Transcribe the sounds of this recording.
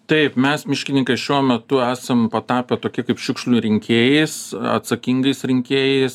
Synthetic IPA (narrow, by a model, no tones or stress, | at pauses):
t̪ɐɪpmʲɛsmʲɪʃʲkʲɪnʲɪŋkɐɪʃʲuɔmʲɛt̪ʊæːsɐmpɐt̪ɑːpʲeːt̪oːkʲɪkɐɪpʃʲɪkʃʲlʲuːɾʲɪŋʲkʲeːjɛɪsɐ̰t̪sɐkʲiŋɡɐɪsɾʲɪŋʲkʲeːjɛɪs